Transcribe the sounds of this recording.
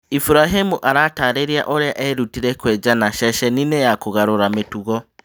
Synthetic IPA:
ifuɾaɦemuʔaɾataːɾeɾjaʔoɾeaʔeɾutiɾekwɛːd͡ʒanaʃɛʃɛninejakoɣaɾoɾametuɣɔ

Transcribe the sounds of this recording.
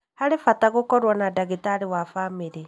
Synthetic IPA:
haɾefataɣokɔɾwɔnadaɣetaɾewafameɾe

